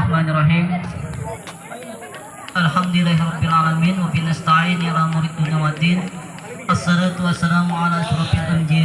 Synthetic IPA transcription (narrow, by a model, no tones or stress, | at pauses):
ħmanrˤɑɦiːm | ʔalħamd̪ɪlaɦɾˤɑbːɪalʕalaminwabinast̪aʕiːnjalamuɾit̪̚d̪unijawad̪in | ʔasːɑlaːt̪uwasːalaːmʕalaʔaʃɾɑːfalʔamd͡ʒia